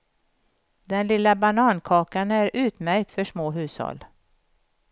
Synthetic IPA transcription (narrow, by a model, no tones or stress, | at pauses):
d̪ɛnlɪlːabanɑːnkʰɑːkanæɾʉ̟ːt̪mæɾk̚t̪fœʂmoːɦʉ̟ːshɔ̰lː